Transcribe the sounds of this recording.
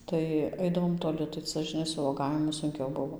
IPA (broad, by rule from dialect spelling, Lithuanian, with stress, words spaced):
ˈtɐɪ ˈɐɪdɐʋoːm toːˈlʲɪ tɐɪ ˈt͡sɐ ʒʲɪˈnɐɪ sʊ ʋuɔˈɡɑːʋʲɪmʊ sʊŋʲˈkʲɛʊ ˈbʊʋoː